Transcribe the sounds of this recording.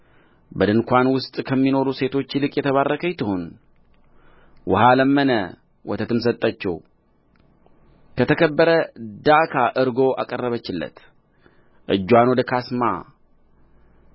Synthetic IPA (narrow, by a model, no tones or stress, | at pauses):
bəd̪ɨnkʷanwʊst̪ʼkʰəmːino̞ɾuse̞t̪ʰo̞t͡ʃːlɨkʼjɛt̪ʰəβarːəkʰəjt̪ʰəhon | wʔɔhaləmːənə | wɔt̪ʰət̪ɨms̬ət̪ʼːat͡ʃːɛ̰w | kʰət̪ʰəkʰəbːəɾəd̪akʰaʔɨɾɡo̞ʔa̰kʼərːəβət͡ʃːɪlːə̰t̪ | ʔɨ̰d͡ʒːwanod̪əkʰasma̰